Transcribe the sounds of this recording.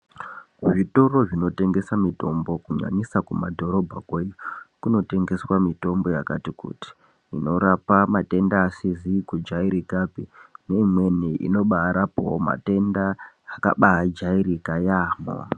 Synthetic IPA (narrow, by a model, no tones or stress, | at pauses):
ʐito̞ro̞ʐino̞te̞ŋɡe̞samito̞mbo̞kuɲa̰ɲisakuma̰dʱo̞ɾo̞bʱa̰kweikuno̞te̞ŋɡe̞swamito̞mbo̞jakatikṵti̥ | ino̞ɾapamate̞ndaːsizikud͡ʒaiɾikapineimwe̞niʔḭno̞ɓaːɾapo̰oma̰te̞ndaː | ka̰ɓaad͡ʒaiɾikajaːmo̰